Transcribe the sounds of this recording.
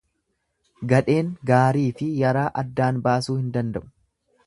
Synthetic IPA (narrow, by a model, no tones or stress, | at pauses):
ɡɐᶑe̞ːŋɡaːɾiːfɪjɐɾaːʔɐd̪ːaːnbaːsuːhɪnd̪ɐnd̪ɐʔʊ̥